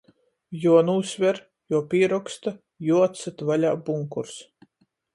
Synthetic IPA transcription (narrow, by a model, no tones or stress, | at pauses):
juɔnuːsvʲɛɾ | juɔpʲiːɛɾɔkst̪a | juɔt̪sat̪valʲaːbuŋkuɾs